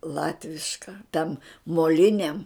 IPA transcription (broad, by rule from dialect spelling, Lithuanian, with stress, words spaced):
ˈlˠɑːtʲʋʲɪʃkɐ tʲɛn moːˈlʲɪnʲɛm